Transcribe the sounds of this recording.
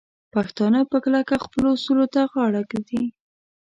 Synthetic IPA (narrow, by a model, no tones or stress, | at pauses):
paxt̪ɑnəpəklakaxpəlosulot̪aɣɑɽakd̪i